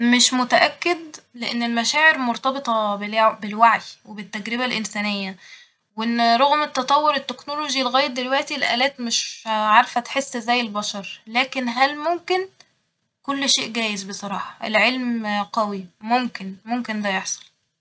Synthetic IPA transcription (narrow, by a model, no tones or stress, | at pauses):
meʃmot̪æʔækːed̪leʔenːelmæʃæːʕeɾmoɾt̪ˤɑbet̪ˤɑbelbelwaʕjwebet̪ːæɡɾeβælʔensæːnejːæ | wʔenːɾˤoɣmet̪ːɑt̪ˤɑwːoɾet̪ːeknoloʒilɣæːjet̪̚d̪elwæʔt̪ilʔæ̰ːlæːt̪meʃʕɑɾˤfæt̪ħesːzæjːelbɑʃɑɾˤlæːkenɦælmomken | kolːʃeːʔɡæːjezbesˤɑɾˤɑːħɑʔḛlʕelmqæwimomkenmomkend̪æjeħsˤɑ̥l